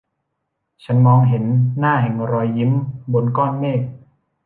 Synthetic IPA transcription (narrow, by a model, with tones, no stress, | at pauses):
t͡ɕʰa˦˥nmɔː˧ŋɦe˩˦nːaː˥˩hɛ˨˩ŋɾɔː˧jːi˦˥mbo˧nkɔː˥˩nmeː˥˩k̚